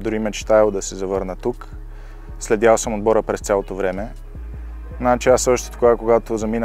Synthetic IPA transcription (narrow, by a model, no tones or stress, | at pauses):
d̪ʊɾimɛt͡ʃt̪aɛlˠd̪ɐsɛzɐvɤɾnət̪uk | slɛd̪jalˠsəmod̪bɔɾəpɾɛst̪sʲalˠot̪ovɾɛmɛ | nat͡ʃɛasɔʃt̪ɛ̥t̪oɡakoɡat̪ozɐmin